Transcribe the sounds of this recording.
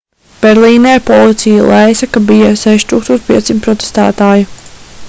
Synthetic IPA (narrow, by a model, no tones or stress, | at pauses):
b̥ɛɾlˠiːnɛːɾpɔlˠit̪sʲijalˠejsɐkabijasɛʃt̪uːkst̪uɔːt͡ʃ̪pʲiɛt̪ːimt̪pɾɔt̪e̥st̪a̰ːt̪aːju